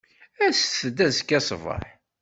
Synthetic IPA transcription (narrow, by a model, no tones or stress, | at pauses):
æsθəd̪æzkːæsvə̰ħ